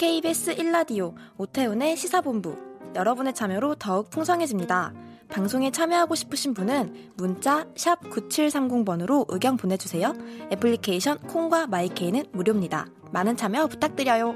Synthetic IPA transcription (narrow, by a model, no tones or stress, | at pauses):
kʰe̞ibe̞s͈ɯʔiɭːadiootʰe̞une̞ɕʰisʰabombṵjʌɾʌbune̞t͡ɕʰamjʌɾotʌɯk̚pʰuŋsʰʌŋɦe̞d͡ʑimɲida | paŋsʰoŋe̞t͡ɕʰamjʌɦaɡoɕʰi̥pʰɯɕʰinbunɯnmunt͡ɕ͈aɕʰap̚kut͡ɕʰiɭsʰaŋɡuŋbʌnɯɾoʔɯɡjʌŋponɦe̞d͡ʑusʰe̞joepʰɯɭːikʰe̞iɕʰʌnkʰoŋɡwamaikʰe̞inɯnmuɾjomɲida̰ | manɯnt͡ɕʰamjʌpu̥tʰak̚t͈ɯɾjʌjo